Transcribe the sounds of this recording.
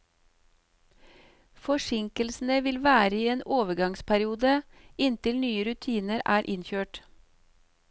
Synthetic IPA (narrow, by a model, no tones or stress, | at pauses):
fɔʃɪŋkəlsn̩əʋɪlʋæːɾəiːeːnoːʋəɡɑŋspʰæɾɪuːd̪əɪnt̪ɪlnyːəɾʉt̪ʰiːnəɾæːɾʔɪnçøːʈ